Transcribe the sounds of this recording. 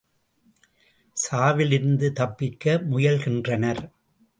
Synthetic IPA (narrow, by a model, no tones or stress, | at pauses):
saːʋɪlɪɾɯnd̪ɯt̪ɐpːɪkːɐmʊjɐlxɪndrɐnɐɾ